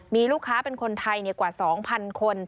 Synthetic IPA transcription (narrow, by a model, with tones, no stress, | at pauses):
miː˧luː˥˩kʰːaː˦˥pe˧nkʰo˧nt̪ʰa˧jni˧˩əkwaː˨˩sɔː˩˦ŋpʰa˧nkʰo˧n